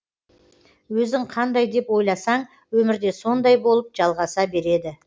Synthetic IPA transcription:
wɵzɪŋqʰɑnd̪ɑjd̪e̞pwo̞jlˠɑsɑɴ | wɵmɪɾd̪e̞so̞nd̪ɑjbo̞lˠəp̚ʒɑlˠʁɑsɑbe̞ɾe̞d̪ɪ

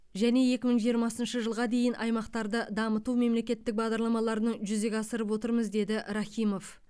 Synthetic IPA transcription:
ʒæne̞je̞kʲɪməɴʒijəɾmɑsənʃəʒəlˠʁɑd̪e̞jɪnʔɑ̰jmɑqt̪ɑɾd̪əd̪ɑmət̪ume̞mle̞kʲe̞t̪ːɪk̚bɑʁd̪ɑɾlˠɑmɑlˠɑɾənəɴʒʏzeɡʲɑsəɾəp̬wo̞t̪əɾməzd̪e̞d̪ɪʔɾɑχʲijmo̞f

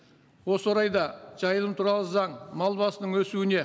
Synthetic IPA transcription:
wo̞səwoɾɑjd̪ɑʒ̥ɑjəlˠəmt̪ʰuɾɑlˠəzɑɴmɑlˠbɑsənəɴwɵsuɪne̞

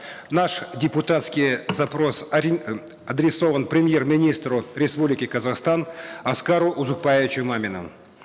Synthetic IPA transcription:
naʂdʲɪpʊt̪at̪skʲijzapɾo̞s | ɐd̪ɾʲɪso̞vənpɾʲɪmʲje̞rmʲɪnʲist̪rʊɾʲespublʲɪkʲɪkɐzaχst̪anɐskaɾʊʔʊzʊk̚pajɪvʲɪt͡ʃʊmamʲɪnə̰m

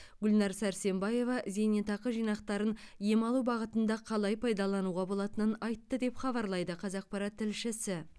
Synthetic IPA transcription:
ɡʲʊlnɑɾsæɾse̞mbɑje̞vɑʔzenet̪ɑqəʒijnɑqt̪ɑɾənje̞mɑlˠubɑʁət̪ənd̪ɑqʰɑlˠɑjpʰɑjd̪ɑlˠɑnuʁɑbo̞lˠɑt̪ənənɑjt̪ːəd̪e̞pχɑβɑɾlˠɑjd̪əqʰɑzɑq̚pɑɾɑt̪ʰːɪlʃɪsɪ

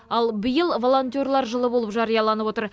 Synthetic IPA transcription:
ɑlˠbəjəlˠvo̞lˠo̞nt̪ʲɪo̞ɾlˠɑɾʒəlˠəbo̞lˠəpʒɑɾijɑlˠɑnəpwo̞t̪əɾ

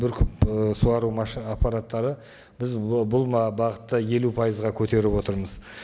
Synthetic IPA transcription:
bɪɾkʲʰʏpsuɑɾumɑʃapːɑɾat̪ːɑɾə | bɪzbʊlˠmɑbɑʁət̪ːəje̞lupʰɑjəzʁɑkʲʰɵt̪e̞ɾɪpwo̞t̪əɾməz

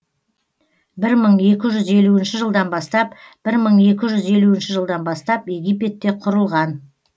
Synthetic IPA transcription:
bɪɾməɴe̞kʲɪʒʏze̞luɪnʃɪʒəlˠd̪ɑnbɑst̪ɑpb̥ɪɾməɴe̞kʲɪʒʏze̞luɪnʃɪʒəlˠd̪ɑnbɑst̪ɑpje̞ɡʲijp̬e̞t̪ːe̞qʰʊɾəlˠʁɑn

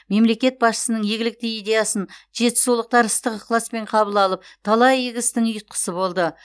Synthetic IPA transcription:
me̞mle̞kʲe̞t̪̚bɑsʃə̥sənəɴjeɡʲɪlɪk̚t̪ɪijd̪e̞jasənʒe̞t̪ɪ̥sulˠəq̚t̪ɑɾəst̪əqqʰlˠaspe̞ɴqʰɑbəlˠɑlˠəp̚t̪ʰɑlˠɑjeɡʲɪst̪ɪŋʊjət̪̚qʰə̥səbo̞lˠd̪ə

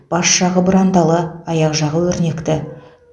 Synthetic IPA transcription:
b̥ɑsʃɑʁəbʊɾant̪ɑlˠəɑjɑqʒɑʁəwɵɾne̞kt̪ɪ

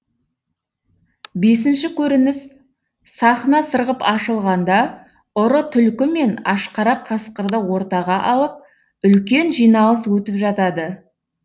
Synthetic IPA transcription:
be̞s̬ɪnʃɪkʲʰɵɾɪnɪs | sɑχənɑsəɾʁəpɑʃəlˠʁɑnd̪ɑ | ʊɾət̪ʰʏlkʲɪme̞nɑʃqɑɾɑqʰːɑsqəɾd̪əwo̞ɾt̪ɑʁɑʔɑlˠəp̚ | ʏlkʲe̞nʒijnɑlˠəs̬wɵt̪ɪpʒɑt̪ɑd̪ə

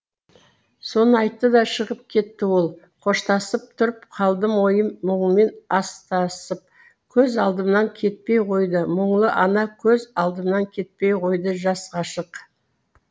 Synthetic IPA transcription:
so̞nəɑjt̪ːəd̪ɑʃəʁəp̚kʲʰe̞t̪ːɪwo̞lˠ | qʰo̞ʃt̪ɑsəp̚t̪ʰʊɾəpqʰɑlˠd̪əmwo̞jəmːoɴme̞nɑst̪ɑsəp̚ | kʲʰɵzɑlˠd̪əmnɑŋkʲʰe̞t̪̚pe̞jqʰo̞jd̪əməɴlˠəʔɑnɑkʲʰɵzɑlˠd̪əmnɑŋkʲʰe̞t̪̚pe̞jqʰo̞jd̪əʒɑsqɑʃəq

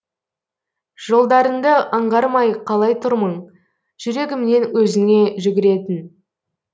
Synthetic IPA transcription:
ʒ̥o̞lˠd̪ɑɾənd̪əʔəɴʁɑɾmɑjqʰɑlˠɑjt̪ʰʊɾməɴ | ʒ̥ʏɾe̞ɡʲɪmne̞nwɵzɪŋe̞ʒʏɡʲɪɾe̞t̪ɪn

